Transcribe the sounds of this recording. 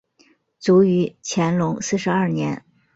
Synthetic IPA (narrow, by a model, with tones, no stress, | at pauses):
t͡su˧˥y˧˥t͡ɕʰjɛ˧˥nlʊ˧˥ŋsɹ̩˥˩ʂɻ̩˧˥ɐ˥˩njɛ˧˥n